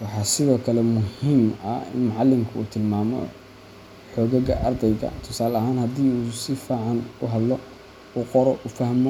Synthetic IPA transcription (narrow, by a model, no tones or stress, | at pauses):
wɑħɑːsɪðɔːkʰɐlɛmʊhiːmɐ̰ɪ̰nmʊʕɑlːɪmkʰʊṵːt̪ʰɪlmaːmɔ̰ | ħɔːɣɐɣɐ̰ʔɐrd̪ɛjɣɐ̰t̪ʰʊ̥saːlɐhaːnhɐd̪iːuːsɪfaːʕɑnʊɦɐd̪lɔ | uːqɔɾɔʔʊfɐhmɔ